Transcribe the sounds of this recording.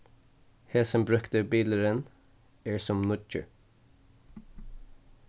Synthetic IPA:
heːsɔmbɹʉkt̪əbiːləɾən | æːɹsɔmnʊt͡ʃə̰

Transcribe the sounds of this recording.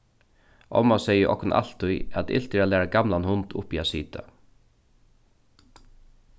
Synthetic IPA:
ʔɔ̰masɛjəʔɔ̰kʊnʔa̰l̥t̪ːʊjæt̪ɪ̰lt̪ɪɾalɛːɹaɡamlanhʊnt̪ʊ̰piasiːt̪ʰa̰

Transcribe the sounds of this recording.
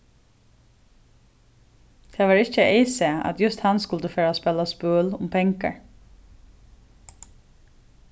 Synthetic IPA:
t̪ʰɛːʋaːɹɪçt͡ʃəʔeːsɛa̰t̪jʊst̪hanskʊlt̪əfɛːɹaspɛlaspøːlʊ̰mpʰɛŋka̰ɹ

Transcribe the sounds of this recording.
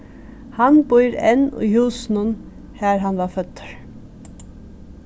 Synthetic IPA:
hɑnbʊʏɾɛ̰nṵːhuːsn̩ʊn | hæːɹɦɑnʋɑfœt̪ʰə̥ɹ

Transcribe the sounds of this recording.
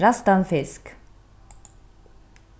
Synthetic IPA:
ɾast̪anfɪsk

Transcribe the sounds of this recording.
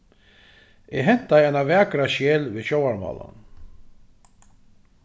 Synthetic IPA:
ɛɦɛn̥t̪aɛnavɛːkɾaʃeːlvɪːɕowaɾmɑ̰ːla̰n

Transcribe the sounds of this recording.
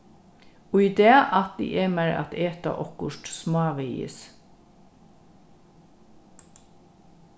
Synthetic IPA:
ʊid̪eːʔɑt̪̚d̪ḭːʔemæɾɑ̰t̪ʰeːt̪ə̰ʔɔkʊʃʈsmɑːʋeɪɪ̰s

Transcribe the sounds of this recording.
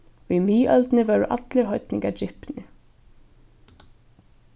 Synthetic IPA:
vimiːʔœlt̪nɪvɛːɹʊʔa̰t̪lɪɾɦɔjt̪nɪŋkad͡ʒɪhpnɪ

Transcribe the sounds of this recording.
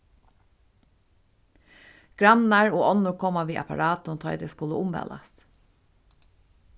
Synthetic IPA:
ɡ̥ɹɑmnɑɹoːʔɔnʊɹkʰɔmɑʋiːʔɑ̰pɑ̰ɹɑːt̪ʊmt̪ʰɑʏd̪eːskʊləʔʊmʋɛ̰ːlɑ̰s

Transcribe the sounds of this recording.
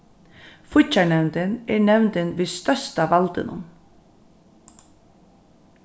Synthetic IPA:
fʊt͡ʃaɳɛwnt̪ɪnɛɹnɛwnt̪ɪnʋiːst̪œst̪aʋalt̪ɪ̰nʊ̰n

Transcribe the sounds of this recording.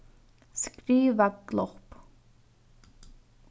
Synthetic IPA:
skɾiːʋaɡ̥lɔχp

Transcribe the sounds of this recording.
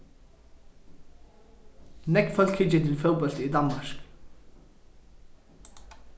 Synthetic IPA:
nɛkfœlkʰɪt͡ʃːət̪ʰɪlfœwbɔlt̪id̪ɑnmɑɹk

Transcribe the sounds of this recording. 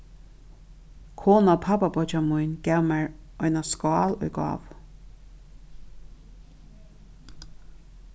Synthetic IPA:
kʰoːnapʰababɔd͡ʒamujnɡ̥ɛwmɛɹ | ɔjnaskɑːlɔ̰jɡɑ̰ːʋ

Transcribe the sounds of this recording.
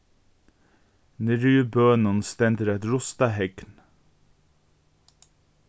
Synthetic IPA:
nɪɾʉːbøːnɔnst̪ɛnd̪əɾɛt̪ɾʊst̪ɑɦɛɡn

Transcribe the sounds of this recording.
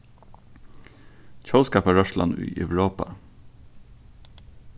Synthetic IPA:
c͡çʰoʊskɑpɑɹœʃlɑ̰nʉ̰ːʔɛ̰ʋɹoːpɑ̰

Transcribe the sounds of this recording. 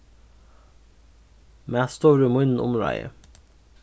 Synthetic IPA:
mest̪oːɾʉmʊnn̩ʔʊ̰mɹɑ̰ɪə̰

